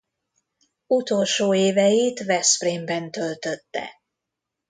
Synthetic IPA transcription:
ut̪o̞lʃoːeːvɛjiːt̪vɛspreːmbɛnt̪ølt̪øt̪ːɛ̰

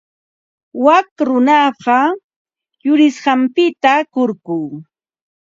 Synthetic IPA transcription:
wakɾʊnɑɢɑ | jʊɾɪsɢɑmpɪt̪akoɾkuŋ

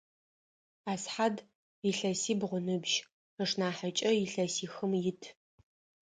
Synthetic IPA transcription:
aːsħad | ɪɬɐsiːbʁʷʊnɨbʒ | əʂnaːħat͡ʃʼɐjɪɬɐsiːxɨmjɪtʰ

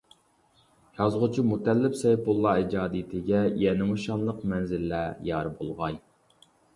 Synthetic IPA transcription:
jɑzʁʊt͡ʃʰimut̪ɛlːɪpsɛjpolˠːɑid͡ʒɑːd̪it̪ʰɪɡʲɛjɛnɪmuʃɑnlˠəqmɛnzɪlːæjɑɾbolˠʁɑj

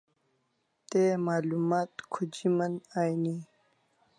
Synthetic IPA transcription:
t̪emaːlumaːt̪kʰud͡ʑimənajni

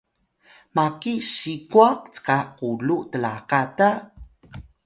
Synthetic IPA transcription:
makiɕikuaqt͡sə̥kaqulutəlaqata

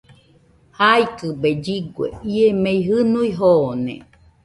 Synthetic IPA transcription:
hajkɨbed͡ʒiɡwḛiemeiɦɨnuiɦoːnḛ

